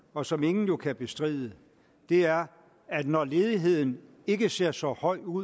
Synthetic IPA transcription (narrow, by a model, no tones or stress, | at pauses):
ɒ̽sɒ̽me̝ŋn̩jo̝kʰæb̥e̝sd̥ʁḭːðˠə | d̥e̝æɐ | æd̥nɒle̝ːðˠiɦe̝ð̞̰ˠn̩ | e̝ɡ̥əse̝ɐ̰sɒ̽hɒ̽ɪ̰uð̰